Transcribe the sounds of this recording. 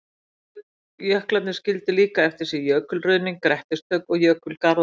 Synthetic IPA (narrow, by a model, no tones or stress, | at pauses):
jœhklannɪscɪlt̪ɪliːkaɛft̪ɪɾ̥sɛjœːkʏlrʏːniŋkɾɛht̪ɪst̪œɥkɔɣjœːkʏlkaɾ